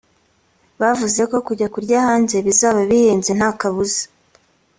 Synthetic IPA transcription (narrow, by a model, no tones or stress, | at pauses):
βavuze̞ko̞kuɟakuɾɟahaːnze̞βizaːβaβihiːnze̞n̥hakaβuzḁ